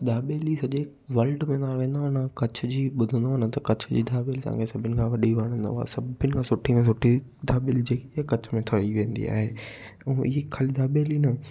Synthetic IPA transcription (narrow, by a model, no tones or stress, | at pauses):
d̪aːɓeːlisɐʄe | ʋɐlɖmẽnaːʋẽːn̆d̪oʊnãkɐt͡ɕʰd͡ʑiːɓʊd̪ʱə̃nd̪oɐnə̃t̪ɐkɐt͡ɕʰd͡ʑḭːd̪ʱaːbelt̪ɐ̰̃ã̰ŋkʰesɐbʱɪnɪ̆kʰãʋɐɗiʋaɽ̃ə̃nd̪a̰a̰sɐbʱɪnɪ̆kʰãsʊʈʰimẽs̬ʊʈʰid̪ʱaːɓɪld͡ʑeːkeakɐt͡ɕʰmẽt̪ʰɐiʋẽːnd̪ḭa̰ːɦẽː | ɪɦekʰaːlid̪ʱaːɓeːlinɐ